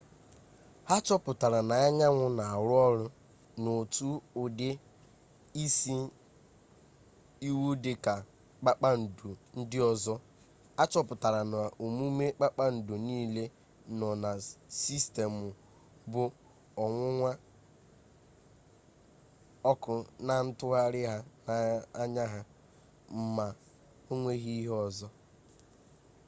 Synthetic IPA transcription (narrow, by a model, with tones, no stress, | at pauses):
a˦t͡ʃɔ˦pʊ˨ta˨ɾa˨na˨a˦ɲa˦ŋʷʊ˦na˨a˨ɾʊ˦ɔ˦ɾʊ˦ | no˨tu˦ʊ˨dɪ˦ | i˦si˦ | i˦wu˦dɪ˨ka˨ | k͡pa˦k͡pa˦n̩˨du˨n̩˦dɪ˦ɔ˦zɔ˦ | a˦t͡ʃɔ˦pʊ˨ta˨ɾa˨na˨ʔo˨mu˦me˦k͡pa˦k͡pa˦n̩˨du˨niː˦le˦ | nɔ˨na˨si˦ste˨mʊ˨ | bʊ˨ | ɔ˨ŋʷʊ˦ŋʷa˦ | ɔ˦kʊ˨na˨n̩˦tʊ˦ɣa˦ɾɪ˦ɦa˦na˨a˦ɲa˦ɦa˦ | m̩˦ma˨ | o˦ŋʷe˦ɣi˦i˦ɦɔ˨zɔ˦